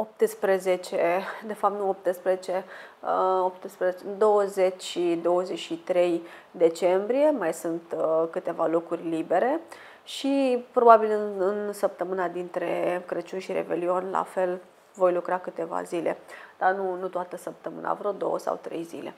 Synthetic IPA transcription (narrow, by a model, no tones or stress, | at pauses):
op̚t̪ɨspɾəzet͡ʃed̪e̞fap̚t̪nuop̚t̪ɨspɾəzet͡ʃe̞əopt̪ɨspɾəzet͡ʃeɨnd̪o̞wəzet͡ʃʲʃid̪o̞wəzeʃit̪ɾe̞jd̪e̞t͡ʃe̞mbɾije̞majsɨnt̪kɨt̪e̞valo̞kurʲlibe̞ɾe̞ | ʃipɾo̞babilɨɨnsəp̚t̪əmɨnad̪int̪ɾe̞kɾət͡ʃunʃiɾḛbe̞̰lio̞nʲla̰fe̞l | vo̞jlukɾakɨt̪e̞va̰zile̞̰d̪̥anunut̪at̪əsəp̚t̪əmɨ̰na̰vɾod̪o̞̰wəsa̰wt̪ɾe̞̰jzḭle̞̰